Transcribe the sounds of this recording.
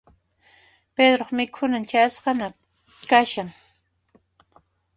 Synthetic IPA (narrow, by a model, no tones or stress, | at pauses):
ped̪ɾoχmɪkʰʊnant͡ʃasqɑna | kaʃaŋ